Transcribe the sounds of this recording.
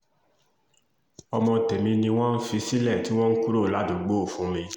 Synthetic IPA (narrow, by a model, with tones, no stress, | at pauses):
ɔ˧mɔ̃˧tɛ˨mĩ˧nĩ˧w̃ɔ̃˦n̩˦fi˧si˦lɛ˦˨ti˨˦w̃ɔ̃˦n̩˦ku˦ɾo˦˨la˨˦dũ˨ɡ͡bo˦˨fũ˨˦mĩ˧˦